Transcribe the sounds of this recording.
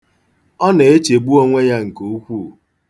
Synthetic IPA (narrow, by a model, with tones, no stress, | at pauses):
ɔ˦ne˨e˦t͡ʃe˨ɡ͡bu˦o˦ŋʷe˦ja˦ŋ̩˨ko˨u˦kʷu˦˨